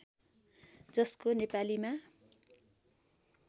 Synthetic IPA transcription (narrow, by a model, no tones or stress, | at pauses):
d͡zʌskonepalima